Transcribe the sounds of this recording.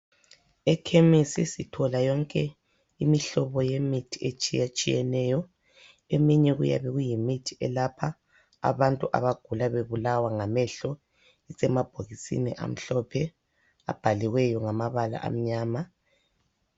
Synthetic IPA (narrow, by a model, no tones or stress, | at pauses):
ɛkʰemisisitʰɔlajɔŋkʼɛ | imiɬɔβɔjemitʰiet͡ʃʼijat͡ʃʼijɛnɛjɔ | emiɲɛɣṵja̰βɛɣujimitʰi̥ʔɛlapʰa̰ː | βantʼuʔa̰βaɡ̥ʱulaβeβulawaŋamɛɬɔ | ɛsɛmab̥ʱoɣisḭnɛ̰ʔa̰m̩ɬɔpʰɛ | a̰b̥ʱaliɣwɛjɔŋamaβala̰ʔa̰m̩ɲaːma